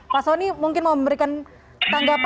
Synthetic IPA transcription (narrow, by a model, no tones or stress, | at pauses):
pasonimuŋkɪnmauməmbəɾikan | t̪aŋɡap